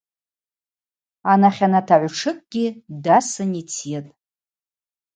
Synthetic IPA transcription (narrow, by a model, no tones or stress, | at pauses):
anaχʲanatʰaʕʷʈ͡ʂʰɨkʼɡ̥ʲidasɨnit͡sʰijatʼ